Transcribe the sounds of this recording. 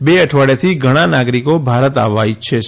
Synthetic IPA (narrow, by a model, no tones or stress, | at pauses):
beəʈʰʋaɭet̪ʰiɡʱəɽ̃ãnaɡɾikobʱaɾət̪aʋajt͡ʃʰe